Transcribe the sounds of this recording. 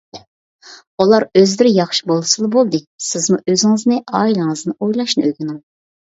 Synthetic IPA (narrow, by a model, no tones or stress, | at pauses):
ulˠɑɾøzlɪɾɪjɑχʃi̥bolˠɨsɨlˠbolˠd̪ɨ | sɪzmuʔøzɪŋɪznɨʔɑːilˠɨŋɨznɨʔojlˠɑʃnɨøɡʲinɪŋ